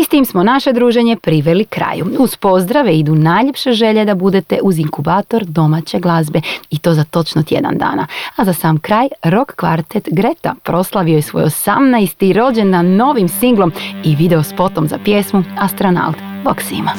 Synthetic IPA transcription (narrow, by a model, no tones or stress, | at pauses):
ist̪iːmsmo̞naʃe̞d̪ɾuːʒe̞ɲe̞pɾiʋe̞likɾa̰ːjuuz̥po̞zd̪ɾaʋeid̪unaːjʎepʃe̞ʒe̞ʎe̞d̪abud̪e̞t̪e̞ʔuziŋkubaːt̪o̞ɾd̪o̞mat͡ɕe̞ɡlˠazbe̞it̪o̞ːzat̪o̞t͡ʃnot̪ʲjḛd̪a̰nd̪a̰ːnaazasaːmkɾaːjɾo̞kːʋa̰ɾt̪et̪ɡɾet̪a̰pɾo̞slˠaʋiojesʋo̞̰josamnajst̪iɾo̞d͡ʑe̞nːano̞ʋimsiŋɡlˠo̞miʋid̪e̞ospo̞t̪o̞mza̰pjesmuast̪ɾona̰lt̪boksḭma